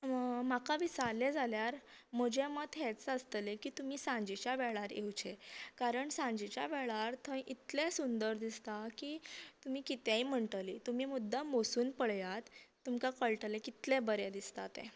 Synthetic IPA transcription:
makaʋisaɾled͡zaljaɾ | m̤əd͡ʑemət̪ɦɛt͡sast̪əlekiːt̪um̤iːsãɲd͡ʑit͡ɕjaʋɛɭaɾjeut͡ɕʰekaɾəɳsãɲd͡ʑit͡ɕja̰ʋɛɭaɾt̪ʰə̃ʔit̪lẽsund̪əɾd̪ist̪akiːt̪um̤iːkit̪jaiːm̤əɳʈəliːt̪um̤iːmud̪ʱːamosuːnpəɭjat̪ː | umkakəɭʈəlekit̪lẽbəɾed̪ist̪at̪ḛ̃

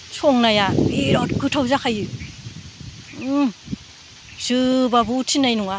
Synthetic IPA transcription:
sʰɔŋnajaeɾɔtɡʰɯtʰawzakʰajɯ | z̥ɯbabutʰinajnuŋa

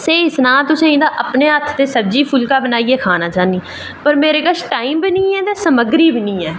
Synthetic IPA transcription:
seːɪsnãːt̪ʊsẽːĩːd̪aːʔəpneːɦət̪ʰt̪eːsəbd͡ʒiːpʰʊlkaːbənaːiːeːkʰaːnaːt͡ʃaːniː | pəɾmeːɾeːkəʃʈaːiːmbɪnĩːɛːt̪eːsəməɡɾiːbɪnĩːɛː

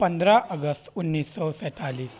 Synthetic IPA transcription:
pənd̪ʱɾaʔəɡəst̪unːisːɔsɛ̃t̪aliːs

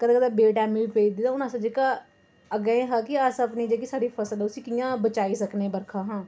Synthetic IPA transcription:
kəd̪kəd̪ɛbeːʈɛːmĩbipeːd̪id̪ãʊnãsəd͡ʒeka | əɡəẽɦãːkiasəpnid͡ʒekisaːɾipʰəsəlɛʊsiːkijãːbət͡ʃaːisəknebəɾkʰaːɦãː

